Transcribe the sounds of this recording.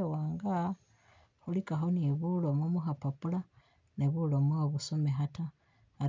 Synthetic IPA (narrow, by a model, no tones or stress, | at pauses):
waːŋɡa | hulikaxoniβulomomuxapapula | neβulomwoβusomeɦataː